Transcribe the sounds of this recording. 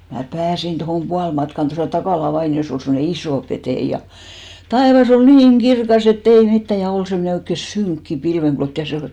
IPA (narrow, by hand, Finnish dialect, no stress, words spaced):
mæ pæːsin tohoˑm puɑlmɑtkɑn tosɑˑ tɑkɑˑlɑ ʋɑinios ol semːŏne isoˑ peteij̆ jɑ tɑeʋɑs ol niːŋ etː ei mitːæ jɑ ol semːŏne oikːe syŋkːi pilʋeŋɡ̊lot jɑ se ol